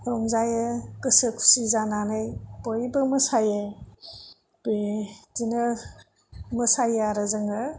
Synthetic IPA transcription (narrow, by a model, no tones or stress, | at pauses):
ɾɔŋzajɯkɯsɯkʰu̥sizananɯjpojbɯmɐsajɯ | b̥etinɯ | mɐsajaɾɯzɯŋɯ